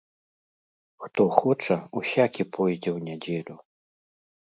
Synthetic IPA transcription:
xt̪ɔxɔt͡ʂɐusʲakʲipʰɔjd͡zʲɛwnʲad͡zʲelʲu

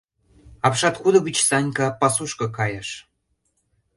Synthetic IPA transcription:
ɑpʃɑt̪kud̪ə̆βit͡ɕsɑnʲkɑpɑsuʃkɤ̆kɑjɑʃ

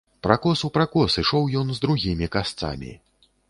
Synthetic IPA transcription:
pɾakɔsupɾakɔsɨʂɔwjɔnzd̪ɾuɣʲimʲikast̪sa̰mʲḭ

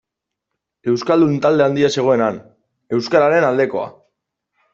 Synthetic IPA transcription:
e̞wskald̪unt̪ald̪e̞and̪iase̞ɣ̞o̞e̞nan | e̞wskaɾaɾe̞nald̪e̞ko̞a̰

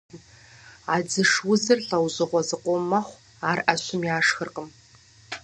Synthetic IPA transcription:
aːd͡zɨʂwʊzɨrɬɐwzɨʁʷɔzɨqʷɔmɐχʷ | aːrʔɐɕʊmjaːʂxərqəm

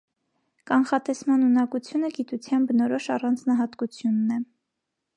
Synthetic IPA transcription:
kɑnχɑt̪ɛsmɑnunɑkut͡sʰjunəɡit̪ut͡sʰjɑnbənɔɾɔʃɑrɑnd͡znɑɦɑt̪kut͡sʰjunːɛ

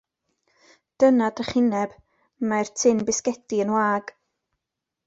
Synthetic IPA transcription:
d̥ənadəχɪnɛb̥ | majrtʰɪnbɪskɛdiənwaːɡ̥

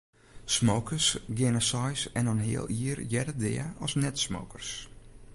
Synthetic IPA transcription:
smowkʰəsɡɪnəsɔjsɛnɔnɦɪ̰əlˠiərjɛdədɪ̰əɔsnɛtsmo̰wkərs

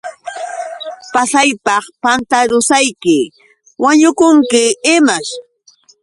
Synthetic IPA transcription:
pasajpɑχpant̪aɾʊsajkɪ | waɲʊkʊŋkɪɪmaʃ

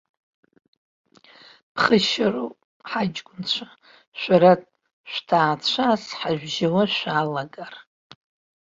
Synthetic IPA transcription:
pʰχəʃaru | ħad͡ʒɡʷʊnt͡ɕʷʰa | ʃʷᶣaɾatʼ | ʃʷᶣtʰaːt͡ɕʷʰasħaʒʷᶣʒawaʃʷᶣalaɡar

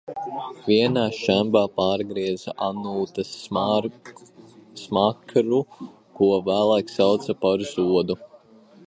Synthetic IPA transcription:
vʲiɛnaːʃæmbaːpaːɾɡɾiɛzaʔanuːt̪ɐs | smakɾu | kuɔvæːlˠajksawt̪sapaɾzuɔd̪u

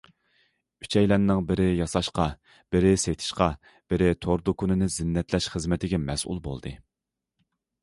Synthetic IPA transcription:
y̥t͡ʃʰɛjlɛnːɪŋbɪɾɪjɑsɑʃqɑ | b̥ɪɾɪset̪ʰɪ̥ʃqɑ | b̥ɪɾɪt̪ʰoɾd̪ʊkunɪnɪzɪnːɛt̪ʰlɛʃχəzmɪt̪ʰɪɡʲɛmɛsʔṵlˠbo̰lˠd̪ɨ

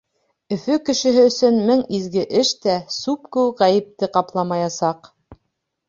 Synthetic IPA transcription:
ɵ̆fɵkɘ̆ʃɘ̆ɦɘɵ̆sɵnmɘŋizɡɘʔɘʃt̪æsupkʉwʁæjɘ̆p̚t̪ɘqɑplˠɑmɑjɑsɑq

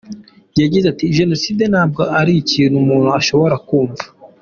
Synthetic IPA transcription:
jaɟizatiʒe̞no̞siːd̪e̞naːb̚ɡo̞aɾiiciːn̥umuːn̥uaʃo̞βo̞ɾakuːɱva

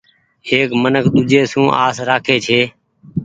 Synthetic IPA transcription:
ɦeːkmənəkɗ̪ʊd͡ʒeːsũːʔa̰ːsɾaːkʰeːt͡ʃʰeː

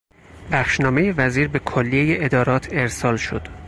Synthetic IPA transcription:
bæxʃnɒːme̞jevæziːɾbe̞kʰolːijejeʔed̪ɒːɾɒːt̪ʰe̞ɾsɒːlʃo̰d̪̥

